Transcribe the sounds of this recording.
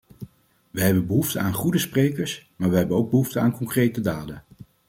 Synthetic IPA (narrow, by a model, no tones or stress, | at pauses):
ʋəɦɛbənbəɦuftəaːnχudəsprejkəɹsmaːɹʋəɦɛbənowɡ̚bəɦuftəaːnkɔŋkrejtədaːdən